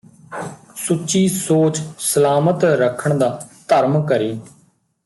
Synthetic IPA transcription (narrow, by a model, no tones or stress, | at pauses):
sʊt͡ʃiːsoːt͡ʃsəlaːmət̪ɾəkʰəɳd̪aːt̪əɾmkəɾiː